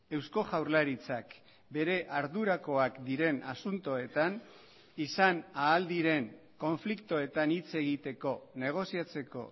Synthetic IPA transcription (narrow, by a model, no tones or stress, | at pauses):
e̞wsko̞ʝawɾlaɾit͡sak | be̞ɾe̞ʔaɾðuɾako̞akd̪iɾe̞nasunt̪o̞e̞t̪an | isanaːld̪iɾe̞ŋ | ko̞ɱflikt̪oe̞t̪anit͡se̞ɣ̞it̪e̞ko̞ne̞ɣ̞o̞siat͡se̞ko̞̰